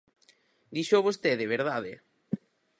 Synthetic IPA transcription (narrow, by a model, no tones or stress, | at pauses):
d̪iʃoβost̪eðeβ̞eɾðaðḛ